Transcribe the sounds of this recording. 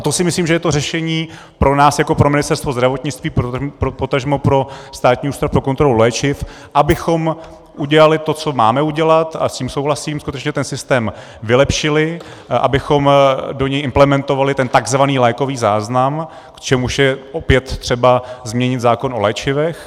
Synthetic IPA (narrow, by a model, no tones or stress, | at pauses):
at̪o̞sɪmɪsliːmʒɛjɛt̪o̞rɛʃɛɲiː | pɾo̞naːsjako̞pɾomɪnɪst̪ɛɾst̪vo̞zd̪ɾavo̞t̪ɲɪt͡st̪viːppɾopot̪aʒmopɾo̞st̪aːt̪ɲiːuːst̪ɾafpɾo̞kont̪ɾo̞lulɛːt͡ʃɪf | ʔabɪxo̞m | ʔuɟɛlalɪt̪o̞t͡so̞maːmɛuɟɛlat̪a̰sciːmso̞wɦlasiːmskut̪ɛt͡ʃɲɛt̪ɛnsɪst̪ɛːm | vɪlɛpʃɪlɪ | ʔa̰bɪxo̞mdo̞ɲɛjʔɪmplɛmɛnt̪ovalɪt̪ɛnt̪aɡzvaniːlajko̞viːzaːznam | kt͡ʃɛmuʃjɛʔopjɛt̪ːr̝̥ɛbazmɲɛɲɪt̪zaːko̞no̞lɛːt͡ʃɪvɛx